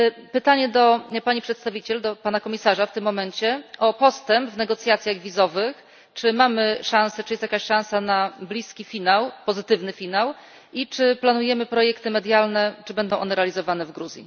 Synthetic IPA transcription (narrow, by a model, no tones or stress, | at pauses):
pɘt̪aɲɛd̪ɔpaɲipʂɛt̪st̪avʲit͡ɕɛld̪ɔpanakɔmʲisaʐaft̪ɘmːɔmɛɲt͡ɕɛʔɔpɔst̪ɛmpvnɛɡɔt̪sʲjat̪sʲjaɣvʲizɔvɘx | t͡ʂɘmamɘʂãñsɛt͡ʂɨjɛst̪jakaɕʂãw̃sanablʲiskʲifʲinawpɔzɘt̪ɘvnɘfʲinaw | ʔit͡ʂɘplanujɛmɘpɾɔjɛkt̪ɘmɛd̪jalnɛt͡ʂɘbɛnd̪ɔw̃ʔɔ̰nɛɾɛalʲizɔvanɛvɡɾuzʲjḭ